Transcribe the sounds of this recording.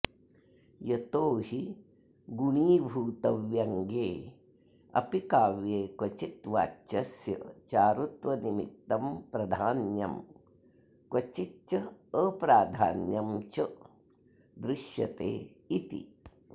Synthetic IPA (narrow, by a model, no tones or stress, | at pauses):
jɐt̪oːhi | ɡuɳiːbʱuːt̪ɐʋjɐŋɡeː | ɐ̰pikaːʋjeːkʋɐt͡ʃit̪ʋa̰ːt͡ʃɐsjɐt͡ʃaːɾut̪ʋɐnimḭt̪ːɐmpɾɐd̪ʱaːnjɐm | kwɐt͡ʃit͡ʃɐəpɾaːd̪ʱa̰ːnjɐmt͡ʃɐ | d̪ɾɪʃjɐ̰t̪ḛː | it̪ḭ